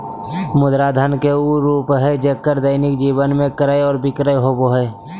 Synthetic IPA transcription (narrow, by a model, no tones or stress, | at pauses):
mʊd̪ɾad̪ʱənkeuɾuːpɦɛd͡ʒekːəɾd̪əɪnɪkd͡ʒiːbənmẽkəɾəjɔːɾbɪkɾəjɦoːboɦɛː